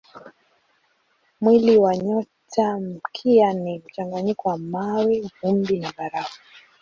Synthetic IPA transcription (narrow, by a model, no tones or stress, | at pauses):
mwiliwaɲɔtʰam̩kʰianim̩t͡ʃaŋɡaɲikɔwamawɛvumbinaɓaɾava